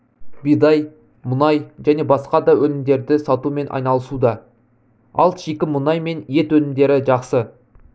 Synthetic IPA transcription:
bijd̪ɑj | mʊnɑjʒæne̞bɑsqɑd̪ɑwɵlɪmd̪e̞ɾd̪ɪsɑt̪ume̞nʔɑ̰jnɑlˠəsud̪ɑ | ɑ̰lˠʃikʲɪmʊnɑjme̞nje̞t̪wɵnɪmd̪e̞ɾɪʒɑqsə

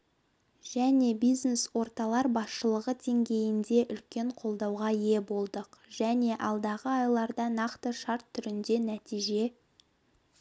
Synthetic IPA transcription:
ʒ̥æne̞bijzne̞swo̞ɾt̪ɑlˠɑɾbɑsʃəlˠəʁəd̪e̞ŋɡʲe̞jɪnd̪e̞ʔʏlkʲe̞ɴqʰo̞lˠd̪ɑwʁɑje̞bo̞lˠd̪əqʒ̥æne̞ʔɑlˠd̪ɑʁəɑjlˠɑɾd̪ɑnɑqt̪əʃɑɾt̪ʰːʏɾɪnd̪e̞næt̪ijʒe̞

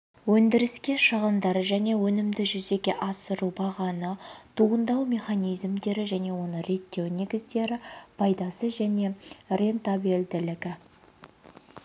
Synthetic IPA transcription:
wɵnd̪ɪɾɪskʲe̞ʃəʁənd̪ɑɾəʒæne̞wɵnɪmd̪ɪʒʏze̞ɡʲe̞ʔɑsəɾubɑʁɑnət̪ʰuənd̪ɑwmʲe̞χanijzmd̪e̞ɾɪʒæne̞wo̞nəɾe̞t̪ːe̞wne̞ɡʲɪzd̪e̞ɾɪpʰɑjd̪ɑsəʒæne̞re̞nt̪abeld̪ɪlɪɡʲɪ

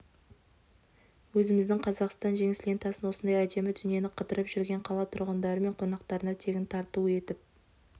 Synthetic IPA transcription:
wɵzɪmɪzd̪ɪŋqʰɑzɑqst̪ɑnʒe̞ŋɪslʲent̪ʰɑsənwo̞sənd̪ɑjæd̪e̞mɪd̪ʏnje̞nɪqʰət̪əɾəpʒʏɾɡʲe̞ɴqʰɑlˠɑt̪ʰʊɾʁənd̪ɑɾəme̞ɴqʰo̞nɑqt̪ɑɾənɑt̪ʰe̞ɡʲɪnt̪ʰɑɾt̪uəe̞t̪ɪp̚

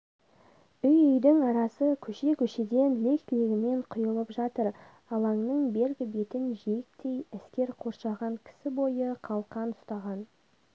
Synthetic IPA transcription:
ʏjʏjd̪ɪŋɑɾɑsəkʲʰɵʃe̞kʲʰɵʃe̞d̪e̞nle̞kt̪leɡʲɪme̞ɴqʰʊjəlˠəpʒɑt̪əɾ | ɑlˠɑŋnəɴbe̞lɡʲɪbe̞t̪ɪnʒeɪk̚t̪ʰe̞jæskʲe̞ɾqʰo̞ɾʃɑʁɑŋkʲʰɪ̥sɪbo̞jəqʰɑlˠqɑnʊst̪ɑʁɑn

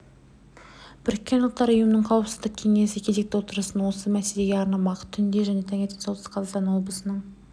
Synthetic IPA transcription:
b̥ɪɾkʲːe̞nʊlˠt̪ːɑɾʊjəmənəɴqʰɑwəpsəzd̪ɪq̚kʲʰe̞ŋe̞sɪkʲʰe̞ze̞k̚t̪ewo̞t̪əɾəsənwo̞səmæse̞le̞ɡʲeɑɾnɑmɑqət̪ʰʏnd̪e̞ʒæne̞t̪ʰæŋe̞t̪ːeolsə̥qʰɑzɑst̪ɑnwo̞bəsənəɴ

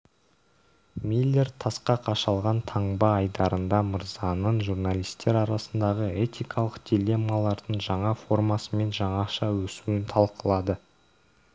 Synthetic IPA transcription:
milʲːe̞rt̪ʰɑsqɑqʰɑʃɑlˠʁɑnt̪ʰɑɴbɑːjd̪ɑɾənd̪ɑməɾzɑnəɴʒurnalˠijst̪e̞ɾɑɾɑsənd̪ɑʁəe̞t̪ʲijkʰɑlˠəqd̪̥ʲilʲe̞mɑlˠɑɾd̪əɴʒɑɴɑfo̞rmɑsəme̞nʒɑɴɑʃɑwɵsuwɪnt̪ʰɑlˠqəlˠɑd̪ə

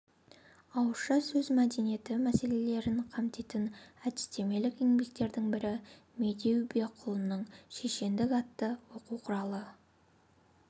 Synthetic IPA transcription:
ɑwʃɑsɵzmæd̪e̞nije̞t̪ɪmæse̞le̞le̞ɾɪɴqʰɑmt̪et̪ɪnæd̪ɪ̥st̪e̞me̞lɪkeŋbe̞k̚t̪e̞ɾd̪ɪŋbɪɾɪ | me̞d̪e̞wbe̞qʰʊlˠənəɴʃeʃe̞nd̪ɪkɑt̪ːəwo̞quwqʰʊɾɑlˠə

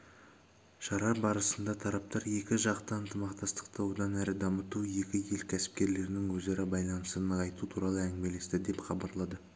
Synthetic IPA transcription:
ʃɑɾɑbɑɾəsənd̪ɑt̪ʰɑɾɑp̚t̪ɑɾje̞kʲɪʒɑqt̪əənt̪ʰəmɑqt̪ɑst̪ə̥qt̪əwod̪ɑnæɾɪd̪ɑmət̪uje̞kʲɪje̞lkʲʰæsɪ̥p̚kʲe̞ɾle̞ɾɪnɪŋwɵze̞ɾɪbɑjlˠɑnəsənəɑjt̪ut̪ʰuɾɑlˠəæŋɪme̞le̞st̪ɪd̪e̞pχɑbɑɾlˠɑd̪ə

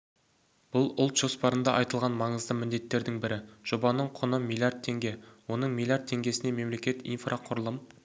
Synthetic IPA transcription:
b̥ʊlˠʊlˠt̪ʒ̥o̞spɑɾənd̪ɑʔɑjt̪əlˠʁɑnmɑɴəzd̪əmɪnd̪e̞t̪ːe̞ɾd̪ɪŋbɪɾɪʒ̥o̞bɑnəɴqʰʊnəmijlʲˠijard̪̚t̪ʰːe̞ŋɡʲe̞wo̞nəɴmʲilʲˠjard̪t̪̚ʰːe̞ŋɡʲe̞sɪneme̞mle̞kʲe̞t̪ḭnfrʔaqʰʊɾəlˠəm

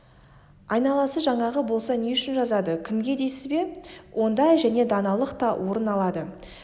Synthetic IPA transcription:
ɑjnɑlˠɑsəʒɑɴɑʁəbo̞lˠsɑne̞ʏʃɪnʒɑzɑd̪əkʲʰɪmɡʲe̞d̪e̞sɪzbe̞wʔo̞nd̪ɑjʒæne̞d̪ɑnɑlˠəqt̪ɑwʔo̞ɾənɑlˠɑd̪ə

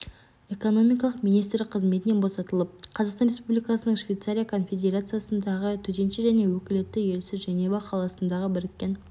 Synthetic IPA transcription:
e̞ko̞no̞mijk̬ɑlˠəqmijnijst̪ɾlɪqʰːəzme̞t̪ɪne̞nbo̞sɑt̪əlˠəp̚qʰɑzɑqsɑnrʲespublijkɑsənəɴʃvʲejt̪saɾʲijakʰo̞nfʲe̞d̪ʲe̞ɾat̪sɨjasənd̪ɑʁət̪ʰɵt̪e̞nʃɪʒæne̞wɵkʲɪlet̪ːɪje̞lsɪzʒenebɑqʰɑlˠɑsənd̪ɑʁəbɪɾɪk̪̚ʲːe̞n

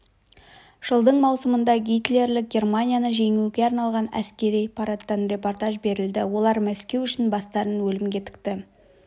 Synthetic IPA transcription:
ʒ̥əlˠd̪əɴmɑwsəmənd̪ɑɡʲijt̪le̞ɾlɪk̚ɡʲe̞rmanʲijanəʒe̞ŋuɡʲe̞ɑɾnɑlˠʁɑnæ̰skʲe̞ɾijpʰɑɾat̪ːɑnrʲe̞po̞rt̪aʒbe̞ɾɪld̪ɪwo̞lˠɑɾmæskʲe̞wʏʃɪnbɑst̪ɑɾənwɵlɪmɡʲe̞t̪ʰɪ̥k̚t̪ɪ

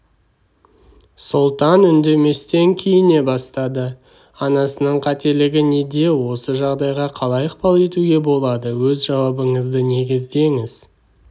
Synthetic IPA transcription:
sʊlˠt̪ɑnʏnd̪e̞me̞st̪e̞ŋkʲʰe̞jɪne̞bɑst̪ɑd̪ə | ɑnɑsənəɴqʰɑt̪e̞lɪɡʲɪned̪e̞wo̞səʒɑʁd̪ɑjʁɑqʰɑlˠɑjəqpɑlˠe̞t̪uɡʲe̞bo̞lˠɑd̪əwɵzʒɑwɑbəɴəzd̪əne̞ɡʲɪzd̪e̞ŋɪz̥

